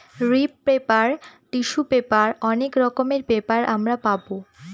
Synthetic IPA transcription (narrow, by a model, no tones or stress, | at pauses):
ɾipːɾepaɾt̪iʃubepaɾɔnekɾɔkomeɾbepaɾʔa̰mɾapabo